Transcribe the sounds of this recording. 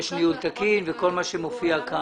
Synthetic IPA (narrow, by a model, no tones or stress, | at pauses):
ʃniult̪akinveko̞lmaʃemofiaka